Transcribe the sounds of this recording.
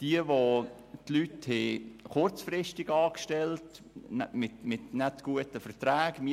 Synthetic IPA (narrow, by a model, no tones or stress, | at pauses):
d̥iəʋo | tlythɛχʊrt͡sfrɪʃtɪɡɑːkʃtɛlt | mɪtmɪtnɛtɡ̥uətəfəɾtɾæːɡ̥mi